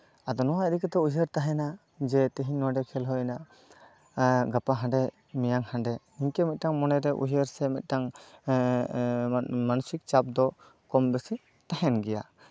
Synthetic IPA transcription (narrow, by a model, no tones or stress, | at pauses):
ad̪ɔnɔwaɛɾikɛt̪ɔujəɾt̪aɦɛna | d͡ʒɛt̪ɛɦiɲnɔwaɖɛkʰɛlɦɔjna | ɡapaɦãɳɖɛ | mɛjaŋhãɳɖɛniɲkɛmɛt̪̚ʈaŋmɔnɛɾɛʔṵɦəɾsɛmɛ̰t̪̚ˀʈaŋ | manusik̚t͡ʃap̚d̪ɔ | kɔmbɛsi | t̪aɦɛnɡɛja